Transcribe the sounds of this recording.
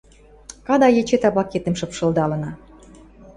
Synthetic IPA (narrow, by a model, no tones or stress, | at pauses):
kɑd̪ɑjet͡ɕet̪ɑβlɑket̪emʃɤ̆pʃɤ̆ld̪ɑlə̆nɑ